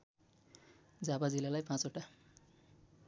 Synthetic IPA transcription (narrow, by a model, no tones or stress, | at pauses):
d͡zabad͡zilalajpãt͡soʈa